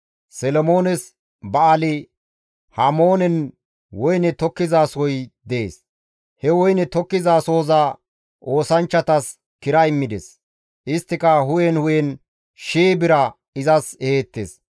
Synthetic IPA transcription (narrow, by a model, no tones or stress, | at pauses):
sɛlɔmo̞ːnɛs | bɐːlɪ | hamo̞ːnɛn | wɔjnɛt̪ɔkːɪzaːsɔjd̪ɛeːs | hɛwɔjnɛt̪ɔkːɪzaːsoːzaː | o̞ːsɐnt͡ʃːɐt̪ɐs | kɪɾɐɪmːɪd̪ɛ̰s | ʔɪst̪ːɪkɐɦʊjɛnhʊjɛn | ʃeːbɪɾɐ | ɪzɐseːt̪ːḛs